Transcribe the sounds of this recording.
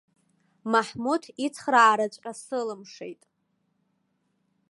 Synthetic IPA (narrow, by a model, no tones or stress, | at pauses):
maħmutʰit͡sʰχraːɾat͡ɕʷʼasɨlɨmʂḛjtʼ